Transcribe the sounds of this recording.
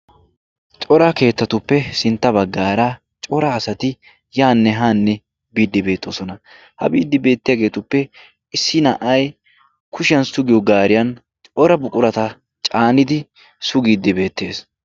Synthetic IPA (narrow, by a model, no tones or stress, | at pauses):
t͡ʃʼɔɾɐke̞ːt̪ːɐt̪ʊpːɛsɪnt̪ːɐbɐɡːaːɾa | t͡ʃʼɔɾaːsɐt̪ɪ | jaːnːɛɦaːnːɛ | biːd̪ːɪbe̞ːt̪ʰːo̰ːsɔnɐ | hɐ̰biːd̪ːɪbe̞ːt̪ːɪjaɡe̞ːt̪ʊpːɛ | ɪsːɪnɐʔɐj | kʰʊʃɪjɐnsʊɡɪjɔɡaːɾɪjɐn | t͡ʃʼɔɾɐbʊkʼʊɾɐt̪ɐ | t͡ʃʼaːnɪd̪ɪ | sʊɡiːd̪ːɪbe̞ːt̪ːe̞ːs